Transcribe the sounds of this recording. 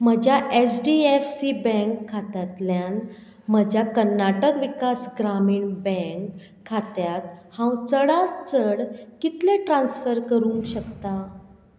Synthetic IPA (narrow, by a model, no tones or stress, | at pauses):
m̤əd͡ʑʱjaʔesɖiefsibɛ̃ŋkʰːat̪at̪ljan | məd͡ʑʱjakəɾnaʈəkʋikasɡɾamiːɳbɛ̃ŋkʰː | at̪jat̪̚hãwt͡səɽat͡səɽkit̪leʈɾãnsfəɾkəɾũːŋkɕəkt̪a